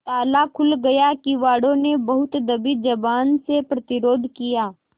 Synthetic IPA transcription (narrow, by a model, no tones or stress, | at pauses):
t̪aːlakʰʊlɡɐjakiʋaːɽõnebɐɦʊt̪d̪ɐbid͡ʒɐbaːnsepɾɐt̪ɪɾoːd̪ʱkijaː